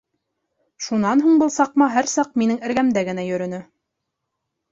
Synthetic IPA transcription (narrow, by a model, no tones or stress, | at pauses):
ʃunɑnɦuɴbɤlˠsɑq̚mɑɦæɾsɑq̚minɘŋɘ̆ɾɡæmd̪æɡɘ̆næjɵ̆ɾɵ̆nɘ